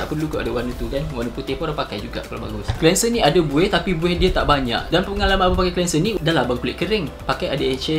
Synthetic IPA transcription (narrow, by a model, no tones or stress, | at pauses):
aʔpərlukaʔadawanut̪ukanwarnuput̪ɪhpɾapakajd͡ʒuɡa̰ʔkala̰ba̰ɡʊsklɛnsənĩadabuɛht̪apibuɛhdiat̪aʔbaɲa̰ʔdanpəəŋalamãbapakajklɛnsənːĩdalabaŋkulɪʔ̪̚kəɾɪŋpakajadaet͡ʃɛ